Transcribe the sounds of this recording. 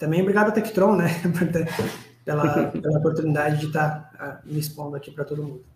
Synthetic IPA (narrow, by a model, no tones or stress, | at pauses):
t̪ɐ̃bẽj̃obɾiɡad̪ʊɐt̪ekɪ̥t̪ɾõw̃nɛpoɾt̪epɛlɐpelɐopoɾt̪unid̪ad͡ʒɪd͡ʒɪt̪aɾamispõnd̪ʊɐkʲipɾɐt̪od̪ʊmũd̪ʊ